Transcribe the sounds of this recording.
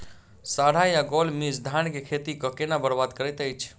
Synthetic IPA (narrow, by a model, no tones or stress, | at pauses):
saɽ̤ajaɡolmisd̪ʱankekʰet̪ikəkenabəɾbad̪kəɾɛt̪əjt͡ʃʰ